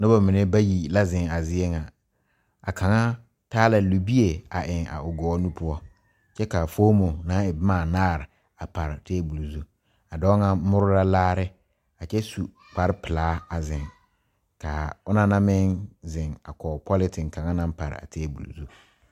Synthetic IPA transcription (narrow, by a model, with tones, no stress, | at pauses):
na˦ba˨mi˨ne˦ba˦ji˨la˦zɪ˨ŋa˨zɪ˦e˦ŋa˨ | a˨kʰa˨ŋa˦ | taː˦la˨lu˨bi˦e˨a˨ʔɪ˨ŋa̰˨ʊ˨ɡɔː˨˦nu˦pʊ˦ɔ˦ | t͡ʃɛ˦ka˨foː˦mo˨nã˦ɪ˨˦maː˦˨naː˦˨ɾɪ˨ | a˨pa˨ɾɪ˨teː˦bu˨lzu˦ | a˨dɔː˦ŋa˨mʊ˦ɾʊ˦la˦laː˦ɾɪ˦ | a˨t͡ʃɛ˦su˨ | k͡pa˨ɾɪ˦pɪ˨laː˨˦a˨zɪ˨ŋ | ka˨ʊ˦na˦na˦mɪ˦nzɪ˨ŋa˨kɔ˨pʰɔ˦lɪ˦tɪ˨ŋka˨ŋa˦nã˨˦npa˨ɾɪ̰˨a̰˨tʰeː˦bṵ˨lṵ˨zu˦